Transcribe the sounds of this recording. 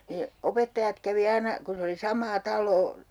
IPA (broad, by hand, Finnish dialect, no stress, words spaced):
ne opetːɑjɑt kæʋi ɑinɑ kun̞ se oli sɑmˑɑː tɑlˑoː